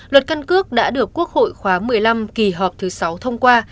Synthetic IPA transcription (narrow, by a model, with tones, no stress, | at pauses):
lwə˨˩t̚ka˧nkɨ˦˥ək̚ɗa̰ː˧˥ɗɨ˨˩əkːu˦˥ək̚ho̰˧˨jxwaː˨˦mɨ˨˩əjla˧mki˨˩ɦɔ˨˩p̚t̪ʰɨ˨˦sa˨˦wt̪ʰə˧wŋ͡mkwaː˧